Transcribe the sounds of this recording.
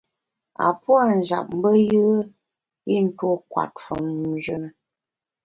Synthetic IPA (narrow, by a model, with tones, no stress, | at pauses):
a̰˨pwa˦˨n̩˨d͡ʒa̰˨p̚m̩˦bə˦jə˦ | i˦˨n̩˦two˦kwa̰˨t̚fɔ˨n̩˨˦d͡ʒə˦nə˨